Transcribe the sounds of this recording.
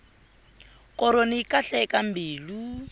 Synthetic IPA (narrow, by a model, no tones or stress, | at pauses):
kʼɔɾoniikʼaɬɛkambiːlu